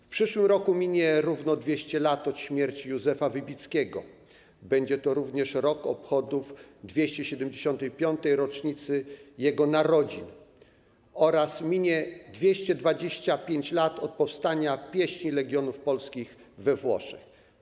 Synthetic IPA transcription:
fpʂɘʂwɘmɾɔkumʲiɲɛɾuvnɔd̪vʲjeɕt͡ɕɛlat̪ɔt̪ɕmʲjɛɾt͡ɕijuzɛfavɘbʲit̪skʲɛɡɔ̰ | bɛɲd͡ʑɛt̪ɔɾuvɲɛʂɾɔkɔpxɔd̪ufd̪vʲjeɕt͡ɕɛɕɛd̪ɛmd͡ʑeɕɔnt̪ɛjpʲjɔnt̪ɛjɾɔt͡ʂɲit̪sɘjɛɡɔnaɾɔd͡ʑin | ɔɾasmʲiɲɛd̪vʲjeɕt͡ɕɛd̪vad͡ʑeɕt͡ɕapʲjeɲt͡ɕlat̪ɔt̪̚pɔfst̪aɲapʲjɛɕɲilɛɡʲjɔnufpɔlskʲix | vɛvwɔ̰ʂɛx

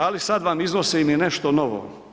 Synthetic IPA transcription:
alisad̪ʋamiznosimineʃt̪onoʋo̰

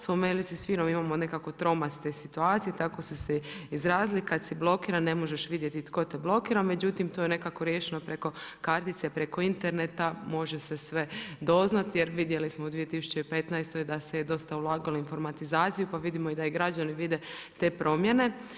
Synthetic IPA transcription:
spomelisusʋiːnomimaːmo̞ne̞kako̞t̪ɾo̞mast̪esit̪uaːt̪sijet̪ako̞suseizɾaːzlikad̪siblˠo̞kiːɾane̞mo̞ʒeʃʋid̪je̞t̪it̪ko̞t̪eblo̞kiːɾame̞d͡ʑut̪imt̪ojene̞kakoɾje̞ʃeno̞pɾe̞ko̞kaɾt̪it̪se̞pɾe̞ko̞int̪e̞ɾne̞t̪amo̞ʒe̞sesʋe̞d̪o̞znat̪je̞ɾʋid̪je̞lismoud̪ʋije̞t̪isu̥t͡ɕeipe̞t̪najst̪o̞jd̪aseed̪o̞st̪aulˠaːɡaloinfo̞ɾmat̪izaːt̪sijupaʋid̪imoid̪aiɡɾad͡ʑaniʋid̪e̞t̪e̞ːpɾo̞mje̞ne̞

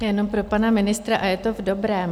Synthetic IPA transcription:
jɛno̞mpɾo̞panamɪnɪst̪ɾaʔajɛt̪o̞vdo̞bɾɛːm

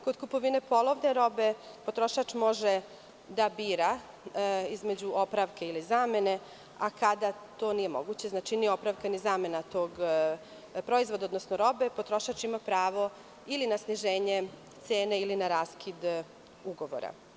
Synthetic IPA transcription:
ko̞d̪kupo̞ʋinepo̞lˠoʋne̞ɾo̞be̞pot̪ɾo̞ʃat͡ʃmo̞ʒe | d̪abiːɾa | izme̞d͡ʑuʔopɾaʋkeilizaːme̞ne̞ | akad̪at̪o̞ːnije̞mo̞ɡut͡ɕe̞znaːt͡ʃinio̞pɾaʋkanizame̞nat̪o̞ːɡ | pɾo̞izʋo̞d̪aod̪nosnoɾo̞be̞po̞t̪ɾo̞ʃat͡ʃimapɾaːʋo̞ | ilinasniʒe̞ːɲe̞ | t̪se̞ːneilinaɾaskʰid̪ | uɡo̞ʋo̰ɾa̰

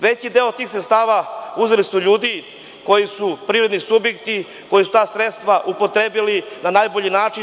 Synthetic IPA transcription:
ʋe̞t͡ɕid̪eːot̪iːxsɾet̪st̪aːʋauzelisuʎuːd̪i | kojisupɾiːɾe̞d̪nisubjekt̪i | ko̞jisu̥t̪aːsɾet̪st̪ʋaʔupo̞t̪ɾebilinanaːjboʎinaːt͡ʃi

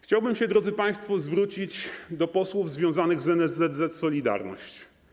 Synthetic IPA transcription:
xt͡ɕawbɘmɕɛd̪ɾɔd̪zɘpaj̃st̪fɔzvɾut͡ɕid͡ʑd̪ɔpɔswuvzvʲjɔ̃w̃zanɘɣzɛnɛzɛd̪zɛt̪sɔlʲid̪a̰ɾnɔ̰ɕt͡ɕ

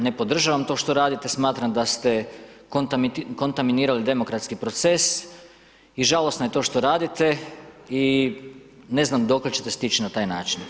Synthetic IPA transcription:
ne̞po̞d̪r̩ʒaʋamt̪o̞ʃt̪o̞ɾaːd̪it̪esmaːt̪ɾamd̪ast̪e̞kont̪mko̞nt̪aminiːɾalid̪e̞mo̞kɾat̪skipɾo̞t̪se̞s | iʒalo̞snaje̞t̪o̞ʃt̪o̞ɾaːd̪it̪e̞i | ne̞znamd̪o̞klet͡ɕe̞t̪e̞st̪it͡ʃinat̪aːjnaːt͡ʃin

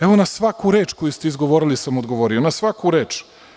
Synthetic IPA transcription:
eʋonasʋakuɾe̞ːt͡ʃkojust̪eizɡo̞ʋoɾilisamod̪ɡo̞ʋo̞ɾionasʋakuɾe̞ːt͡ʃ

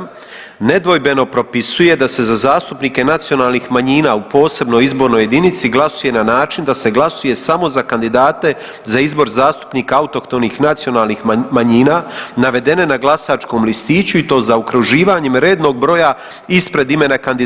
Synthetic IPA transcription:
ne̞d̪ʋo̞jbe̞no̞pɾo̞pisuje̞d̪ase̞zazaːst̪upnike̞nat̪sio̞naːlˠnixmaɲiːnaːupo̞ːse̞bno̞jizbo̞ɾno̞je̞d̪init̪siɡlˠasuje̞nanaːt͡ʃind̪ase̞ɡlasuje̞samo̞zakand̪id̪aːt̪e̞ | zaizbo̞ɾzaːst̪u̥pniːkaaut̪o̞kt̪o̞nixnat̪sijo̞naːlnixmaɲiːnaːnaʋe̞d̪e̞ne̞naɡlˠasaːt͡ʃko̞ːmlist̪iːt͡ɕuit̪o̞ːzaukɾuʒiːʋaɲe̞mɾe̞ːd̪no̞ɡ̚bɾo̞ja | ispɾe̞d̪ime̞nakand̪id̪

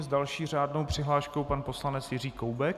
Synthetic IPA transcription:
zdalʃiːr̝aːdnowpr̝̥ɪɦlaːʃkowpanpo̞slanɛt͡sjɪriːkowbɛk

